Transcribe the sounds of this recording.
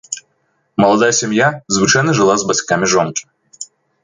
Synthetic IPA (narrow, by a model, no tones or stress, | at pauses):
mɐlˠɐd̪ajəsʲɪmʲjazvɨt͡ʃajnɐʐɨlˠazbɐsʲkamʲɪʐɔnkʲɪ̥